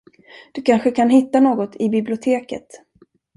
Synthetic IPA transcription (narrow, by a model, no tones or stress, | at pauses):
d̪̥ɵkʰanɧəkʰanɦɪt̪ːanoːɡɔt̪ʰɪbɪblɪʊt̪ʰeːkə̰t̪